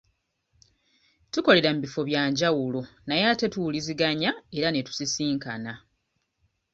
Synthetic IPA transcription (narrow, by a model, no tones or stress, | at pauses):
tuko̞le̞ɾam̩bifo̞βjaːɲɟawulo̞najate̞tuwuliziɡaɲae̞ɾane̞tu̥sisiːŋka̰na